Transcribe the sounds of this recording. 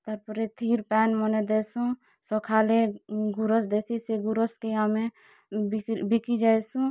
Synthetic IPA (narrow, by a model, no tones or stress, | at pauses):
t̪əɾpəɾet̪ʰiːɾpɛːnmɔned̪esũ | sɔkʰaleɡuɾəsd̪esʰiseɡuɾəskeamẽ | bbikid͡ʒaesũ